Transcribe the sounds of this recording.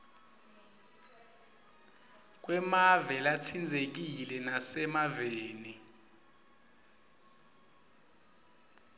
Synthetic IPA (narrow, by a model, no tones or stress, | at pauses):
k̬ʼwɛmavɛlat͡sʰind͡zʱek̬ilɛnasɛmaveːni